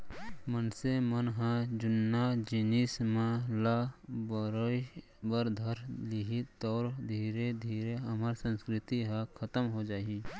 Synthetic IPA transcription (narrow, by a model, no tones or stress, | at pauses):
mənsemənɦãd͡ʒʊnːad͡ʒɪnɪsmãlabəɾəj | bəɾd̪ʱəɾlɪɦit̪ɔːɾd̪ʱiːɾed̪ʱiːɾeɐmaɾsə̃nskɾɪt̪iɦãkʰət̪əmɦod͡ʒaːi